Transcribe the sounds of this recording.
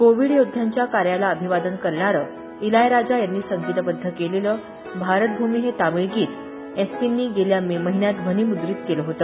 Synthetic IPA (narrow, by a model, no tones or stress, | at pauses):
koʋiɽjod̪ʱjaɲt͡ɕjakaɾjalaəbʱiʋad̪ənkəɾɳ̃aɾə | ilajɾad͡zajanːiːsəŋɡit̪əbəd̪ʱːəkeleləː | bʱaɾət̪̚bʱumiːɦet̪amiɭɡiːt̪ | espinːiːɡeljamiməɦinjat̪bʱəniːmud̪ɾiːt̪keləɦot̪əː